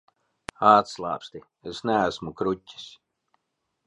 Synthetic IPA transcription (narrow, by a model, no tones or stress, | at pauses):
aːt̪slˠa̰ːpst̪i | esnææsmukɾutʲːi̥s